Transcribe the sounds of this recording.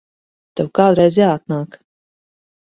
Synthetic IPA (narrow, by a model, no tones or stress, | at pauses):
t̪ɛwkaːd̪ɾɛjzjaːat̪̚naːk